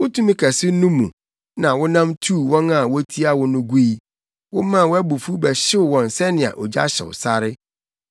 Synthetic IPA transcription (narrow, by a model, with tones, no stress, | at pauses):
wʊ˦tʰũ˦mĩ˦kʰɛ˨sɪ˦nũ˦mũ˨ | nã˨wʊ˦nã˦mtʰu˦˨wɔ̃˦nã˨wɔ˦tʰi˦a˨wʊ˦nʊ̃˦ɡu˦i˦ | wʊ˦mã˦˨wʊ˦æ˦bu˨fu˦bɛ˨ɕɪ˦wʊ˨wɔ̃˨n˨sɛ˦nɪ̃˨ã̰˨ʔɔ˨d͡ʑa̰˦ɕɛ̰˨wʊ̰˨sa˦ɾɪ˦